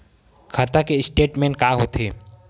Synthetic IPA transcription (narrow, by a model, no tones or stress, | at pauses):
kʰat̪akeɪsʈeːʈmẽːnkaːɦoːt̪eː